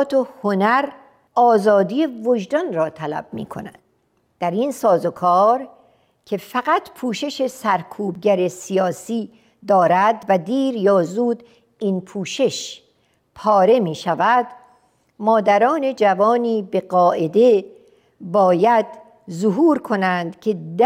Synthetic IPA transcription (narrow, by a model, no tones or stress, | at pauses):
t̪ʰohonæɾ | ɒːzɒːd̪iːje̞voʒd̪ɒnrɒːt̪ʰælæ̰b̥̚mḭːkʰo̞̰næ̰nd̪̥ | d̪̥æɾinsɒːzokʰɒːɾ | cʰe̞fæɡæt̪ʰpʰuːʃe̞ʃe̞sæɾkʰuːb̚ɟæɾe̞sijɒːsiː | d̪ɒːɾæd̪væd̪iːɾjɒːzuːd̪ | inpʰuːʃe̞ʃ | pʰɒːɾe̞miːʃævæd̪ | mɒːd̪æɾɒːne̞d͡ʒævɒːniːbe̞ɢɒːʔe̞d̪e̞ | bɒːjæd̪ | zoɦuːɾkʰo̞nænd̪cʲʰe̞d̪